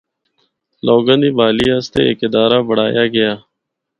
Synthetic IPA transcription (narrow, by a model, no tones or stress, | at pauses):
loːɡəniːbaːliːaːst̪ḛːḛːkɪd̪aːɾaːbəɽ̤aːjaːɡəjaː